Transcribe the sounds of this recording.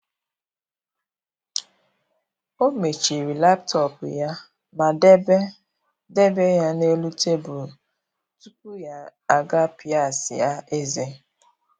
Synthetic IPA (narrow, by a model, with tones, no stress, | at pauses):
o˦me˨t͡ʃi˨ɾi˨la˦ptɔ˨pʊ˨ja˦ | ma˨de˦be˦ | de˦be˦ja˦ne˦lu˦te˦bʊ˨ | tu˦k̚u˦ja˨a˨ɡa˦pi˨a˦˨sɪ̰˨a˦e˦ze˦